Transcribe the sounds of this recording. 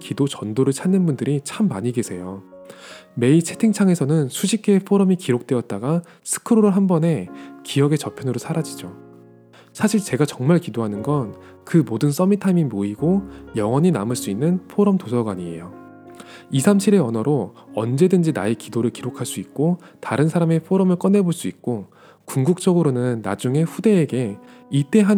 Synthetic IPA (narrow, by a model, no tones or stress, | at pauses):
kidot͡ɕʌndoɾɯɭt͡ɕʰanːɯnbundɯɾit͡ɕʰamːaɲiɡesʰe̞jo | me̞it͡ɕʰe̞tʰeŋt͡ɕʰaŋe̞sʰʌnɯnsʰuɕʰik͈ʰepʰoɾʌmikiɾok̚t͈we̞ʌt̚t͈aɡa | sʰɯ̥kʰɯɾoɾɯɭɦambʌne̞kijʌɡe̞t͡ɕʌpʰjʌnɯɾosʰaɾad͡ʑid͡ʑo | sʰaɕʰiɭt͡ɕe̞ɡat͡ɕʌŋmaɭkidoɦanɯnɡʌn | kɯmodɯns͈ʌmitʰamimoiɡojʌŋwʌɲinamɯɭs͈uinːɯnpʰoɾʌmtosʰʌɡwaɲiḛjo | isʰamɕʰiɾe̞ʌnʌɾo | ʌnd͡ʑe̞dɯnd͡ʑinaekidoɾɯɭkiɾokʰaɭs͈uik̚k͈o | taɾɯnsʰaɾame̞pʰoɾʌmɯɭk͈ʌnːe̞boɭs͈uik̚k͈o | kuŋɡuk̚t͡ɕ͈ʌɡɯɾonɯnːa̰d͡ʑuŋe̞ɸude̞ːɡe̞it͈e̞ɦa